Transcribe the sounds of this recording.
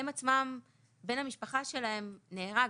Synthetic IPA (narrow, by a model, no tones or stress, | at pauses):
emat͡smam | be̞nhamiʃpaχaʃe̞laɦe̞mneːʁa